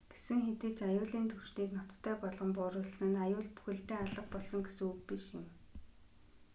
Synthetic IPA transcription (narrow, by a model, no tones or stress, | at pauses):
ɡ̥e̥sɘ̆ŋxet̪eːt͡ɕajʊːɮiːnt̪ʰɵwʃniːknɔt̪ʰːœːpɔɮʁɞ̆mpʊːɾʊːɮsnɘ̆najʊːɮpu̥xɘ̆ɬt̪eːaɮə̆q̚pɔɮsɞ̆ŋɡesɘ̆ŋuk̚piʃjɪ̆m